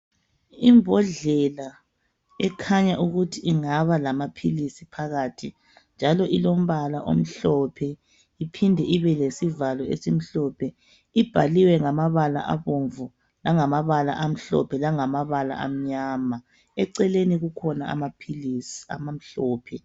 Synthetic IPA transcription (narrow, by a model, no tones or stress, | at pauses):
imbʱɔɮɛla | ɛkʰaɲaʔuɣutʰiiŋaβalamapʰilisipʰaɣatʰi | nd͡ʒʱalɔʔilom̩βalaʔo̰m̩ɬɔpʰɛ | ipʰindʱɛʔiβɛlesivalɔḛsim̩ɬɔpʰɛ | ib̥ʱaliwɛŋamaβala̰ʔa̰βoɱvu | laŋamaβala̰ʔam̩ɬɔ̰pʰɛlaŋamaβala̰ʔa̰m̩ɲama | ɛǀɛleniɣukʰɔnaa̰mapʰilisa̰mam̩ɬɔːpʰɛ